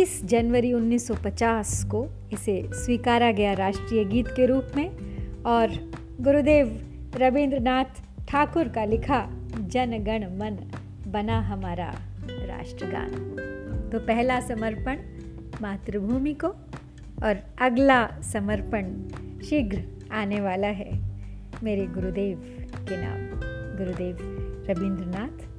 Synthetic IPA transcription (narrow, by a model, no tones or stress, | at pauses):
ɪsd͡ʒɐnʋəɾiʊnːiːsːɔpɐt͡ʃaːsko | ɪseswiːkaːɾaɡɐjaɾaːʃʈɾiːjəɡiːt̪keɾuːpmẽɔːɾ | ɡʊɾud̪eːʋ | ɾɐbẽːnd̪ɾənaːt̪ʰ | ʈʰaːkʊɾkalɪkʰad͡ʒɐnɡɐɽ̃mɐn | bɐnaɦɐmaːɾa̰ɾa̰ːʃʈɾəɡa̰ːn | t̪opɛɦlasɐməɾpəɳ | maːt̪ɾəbʱuːmiko | ɔːɾ | ɐɡlasɐməɾpəɳ | ʃɪɡɾ | aːneʋaːlaɦɛ | meːɾeɡʊɾud̪eːʋkena̰ːmɡʊɾud̪eːʋɾɐbɪ̃ːnd̪ɾnaːt̪ʰ